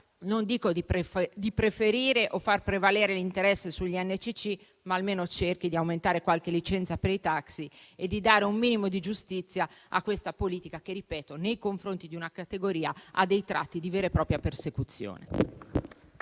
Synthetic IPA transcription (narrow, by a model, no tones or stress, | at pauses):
nond̪iːkod̪id̪ipɾefeɾiːɾeʔofːarpɾevaleːɾelint̪eɾɛsːesuʎːiɛnːet͡ʃit͡ʃi | maːlmeːnot͡ʃerk̟id̪iawment̪aːɾekwalk̟elit͡ʃɛnt̪sapeɾit̪aksied̪ːid̪aːɾeumːiːnimod̪id͡ʒust̪it̪sːjaa̰kːwest̪apoliːt̪ikak̟eripɛːt̪onejkoɱfɾont̪id̪iunakat̪eɡoɾiːaa̰d̪ːejt̪ɾa̰t̪ːid̪iveːɾepɾɔːpɾjapersekut̪sːjo̰ːnḛ